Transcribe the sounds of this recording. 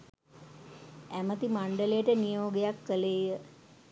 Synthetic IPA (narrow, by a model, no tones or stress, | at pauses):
æmət̪imaɳɖəlejəʈənijoːɡejakːəleːjə